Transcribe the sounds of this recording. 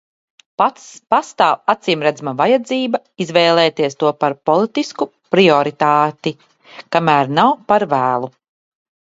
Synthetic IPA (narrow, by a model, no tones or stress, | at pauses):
at̪past̪aːwat̪siːmɾæd̪zmavajad̪ziːba | izvɛːjlˠɛːt̪iɛst̪uɔpaɾpɔlˠit̪iskupɾiɔɾit̪aːt̪i | kamæːɾnawpaɾvæːlˠu